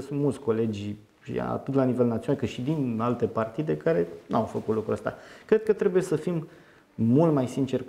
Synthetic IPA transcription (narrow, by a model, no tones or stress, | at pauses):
sunt̪mult̪sʲko̞le̞d͡ʒ̰ʲ | a̰t̪ɨt̪lanive̞lnat̪sionalkɨt̪ʃid̪inalt̪e̞part̪id̪e̞kaɾe̞nawfəkut̪lukɾuəst̪a̰kɾe̞d̪̚kət̪ɾe̞buje̞səfimː | ult̪majsint͡ʃe̞r